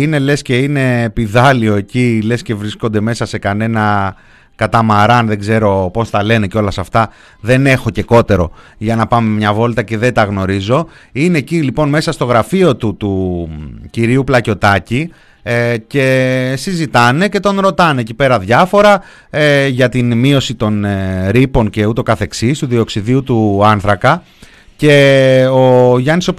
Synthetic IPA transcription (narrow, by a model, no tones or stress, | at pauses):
ine̞le̞sce̞ine̞piðɐlio̞e̞cile̞sce̞vɾisko̞nd̪e̞me̞sɐse̞kɐne̞nɐ | kɐt̪ɐmɐɾɐnðe̞ɡze̞ɾo̞po̞st̪ɐle̞ne̞co̞lɐsɐft̪ɐ | ðe̞ne̞xo̞ce̞ko̞t̪e̞ɾo̞̰ | ʝɐnɐpɐmemɲɐvo̞lt̪ɐce̞ðe̞t̪ɐɣno̞ɾizo̞ | ine̞ːcilipo̞nme̞sɐst̪o̞ɣɾɐfio̞t̪ut̪u | ciɾiuplɐco̞t̪ɐci | ce̞sizit̪ɐne̞ce̞t̪o̞nɾo̞t̪ɐne̞ecipe̞ɾɐðʝɐfo̞ɾɐ | eʝɐt̪inmio̞sit̪o̞nɾipo̞nce̞ut̪o̞kɐθe̞ksist̪uðio̞ksiðiut̪uɐnθɾɐkɐ | ce̞oʝɐniso